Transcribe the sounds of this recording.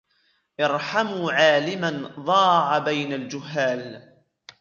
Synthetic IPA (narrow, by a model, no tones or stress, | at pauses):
ʔɑɾˤħamuʕaːlɪmanðˤɑːʕabajnald͡ʒʊhːaːl